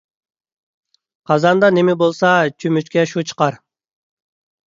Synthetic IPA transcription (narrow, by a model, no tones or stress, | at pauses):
qʰɑzɑnd̪ɑnemɪbolˠsɑt͡ʃʰymyt͡ʃkʲɛʃut͡ʃʰə̥qɑɾ